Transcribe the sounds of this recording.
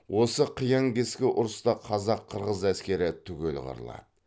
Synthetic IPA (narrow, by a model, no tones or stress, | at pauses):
wo̞səqʰijɑŋkʲʰeskʲɪʔʊɾəst̪ɑqʰɑzɑqʰːəɾʁəzæskʲe̞ɾɪt̪ʰʏkʲe̞lʁə̰ɾə̰lˠɑ̰d̪ə